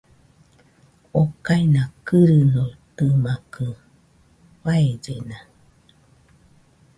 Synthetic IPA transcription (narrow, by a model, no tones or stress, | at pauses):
okainakɯɾɯnot̪ɯmakɯ | waed͡ʒena